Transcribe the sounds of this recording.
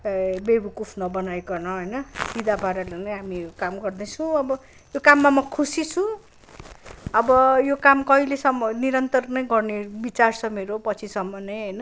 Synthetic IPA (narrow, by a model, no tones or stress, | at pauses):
bebukupʰnʌbʌnajkʌnʌɦʌjnʌsid̪abʱaɾalenʌjɦamikamɡʌrd̪ʌt͡sʰũʌbʌ | jokamːamʌkʰusit͡sʰũ | ʌbʌjokamkʌilesʌmːʌniɾʌnt̪ʌrnʌjɡʌrnebit͡sart͡sʰʌmeɾopʌt͡sʰisʌmːʌnʌjɦʌjnʌ